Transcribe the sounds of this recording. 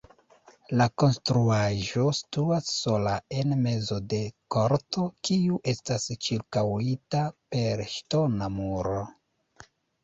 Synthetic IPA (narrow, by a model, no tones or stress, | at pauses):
lako̞nstɾuaʒo̞si̥tuasːo̞lae̞nme̞zo̞de̞ko̞ɾto̞kiuʔe̞stast͡ʃiɾkawitape̞ɾʃto̞namuɾo̞